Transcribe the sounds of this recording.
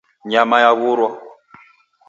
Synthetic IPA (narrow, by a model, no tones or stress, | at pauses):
ɲamajaβuɾwa